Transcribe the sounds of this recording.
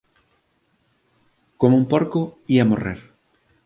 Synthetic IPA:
komumpoɾkoiamo̰rḛɾ

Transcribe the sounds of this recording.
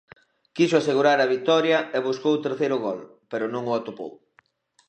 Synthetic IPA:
kisʊaseɣuɾaɾɐβit̪ɔɾjɐeβuskowt̪eɾθejɾʊɣɔl | peɾʊnõŋʊat̪opo̰w

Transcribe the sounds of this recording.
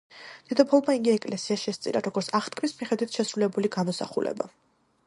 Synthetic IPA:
t̪id̪ʰɔpʰɔlˠmaiŋɡiɛkʼlɛsiaʃɛst̪sʼḭɾa̰ɾɔɡɔɾt̪sʰaχt̪kʰmismiχɛd̪wit̪ʰʃɛsɾulɛbuliɡamɔsa̰χṵlɛ̰ba̰

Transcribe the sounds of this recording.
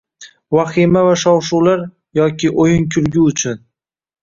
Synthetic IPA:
vaχimavaʃɒwʃuwlaɾ | jɒkʲʰɪʔojɪnkʲʰʊɾɡʲʊʊt͡ʃʰʊn

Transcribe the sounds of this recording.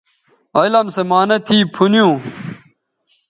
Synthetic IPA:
ɐjlɐmsemaːnɐt̪ʰiːpʰunjũː

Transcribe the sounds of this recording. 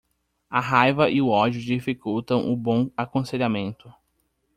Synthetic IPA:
ɐɦajvɐʔɪʊɔd͡ʒʊd͡ʒifikuwt̪ɐ̃w̃ʔʊbõakõseʎamẽnt̪ʊ

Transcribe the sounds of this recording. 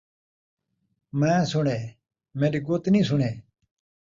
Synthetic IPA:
mẽːsʊɳeː | meːɾiɡot̪nĩːsʊɳeː

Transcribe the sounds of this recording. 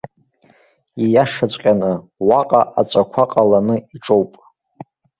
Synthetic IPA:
ijaʂat͡ɕʷʼqʲʼanɨwaqʼaʔat͡ɕʷʼakʷʰaqʼalanɨiʈ͡ʂʼowpʼ

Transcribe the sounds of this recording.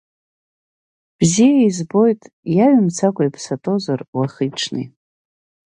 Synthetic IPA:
b̥zijaizbo̞jtʼ | jaɥmt͡sʰakʷʼaipʰsatʼo̞zarwaχiʈ͡ʂʰnɨ̰

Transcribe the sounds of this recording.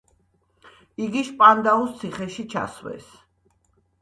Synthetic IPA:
iɡiʃpʼand̪aust̪sʰiχɛʃit͡ʃʰa̰swɛ̰s

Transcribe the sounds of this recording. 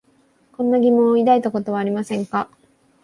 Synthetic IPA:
kõ̞nːaɡʲimõ̞id̪ait̪oko̞t̪o̞β̞aːɾʲimasẽ̞ŋka

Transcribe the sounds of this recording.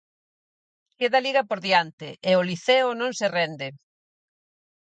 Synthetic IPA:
keðɐliɣɐpoɾðjant̪ɪʔeoliθeʊnõŋserɛnd̪ɪ

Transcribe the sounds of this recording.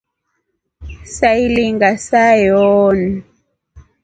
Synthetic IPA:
sailiŋɡasajɔːni

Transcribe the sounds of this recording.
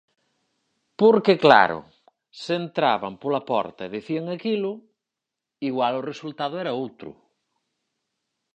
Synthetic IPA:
poɾkekla̰ɾʊ̰ | sent̪ɾaβɐmpolapɔ̰ɾt̪ɐeðeθiaŋakilʊ | iɣwalʊresult̪aðʊɛɾɐowt̪ɾʊ̰

